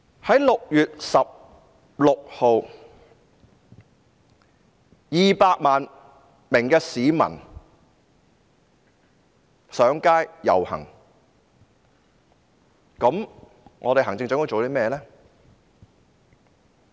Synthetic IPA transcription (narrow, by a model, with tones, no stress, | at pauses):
hɐ˨˥jlʊ˨k̚jyː˨t̚sɐ˨p̚ | lʊ˨k̚ho˨˧w | jiː˨paː˧k̚maː˨n | mɪ˨˩ŋkɛː˧siː˨˥mɐ̰˨˩n | sœː˨˥ŋkaː˥jjɐ̰˨whɐ̰˨˩ŋ | kɐ˨˥m | ŋʔɔ̰ː˨˧e˨jɦɐ˨˩ŋt͡sɪ˧ŋt͡ɕœː˨˥t̪o˧˥t͡so˨wt̪i˥mɛː˥jɛ˧ɛː˥